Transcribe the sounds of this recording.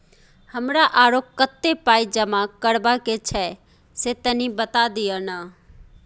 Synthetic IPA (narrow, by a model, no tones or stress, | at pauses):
həmɾaʔaːɾokət̪ːepaːid͡ʒəmakəɽbaket͡ʃʰɛ | set̪ənĩbət̪ad̪ɪjəna